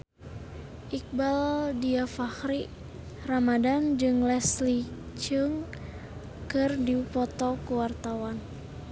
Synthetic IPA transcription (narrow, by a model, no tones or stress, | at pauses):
ʔik̚baldiafahɾi | ramadand͡ʒɨŋlɛsli | t͡ʃɨŋ | kɨrdipɔt̪ɔkuwart̪awan